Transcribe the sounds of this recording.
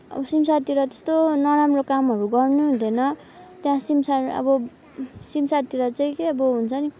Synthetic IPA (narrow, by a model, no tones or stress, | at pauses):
ʌ̰bʌsimsart̪iɾʌt̪e̥st̪onʌɾamrokamʌɾuɡʌrnud̪ʱenʌ | t̪jãsimsarʌ̰bʌ | simsart̪iɾʌt͡saĩkeʌbʌɦunt͡sʰʌni